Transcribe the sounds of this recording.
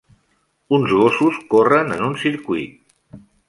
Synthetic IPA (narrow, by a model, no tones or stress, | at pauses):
unzɣosuskorənənunsiɾkwuit̪̚